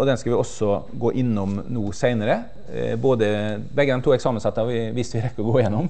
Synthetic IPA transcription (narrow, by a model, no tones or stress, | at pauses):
ɔd̪ɛnskɑʋɪɔsɔɡoːʔɪnːɔmnuːsæɪnəɾə | boːd̪əbɛɡəd̪ɛmt̪ʰuːɛksɑːmənsɑt̪ːəɑʋɪʋiːst̪ʋɪɾɛkːəɔɡoːɪjɛnːɔm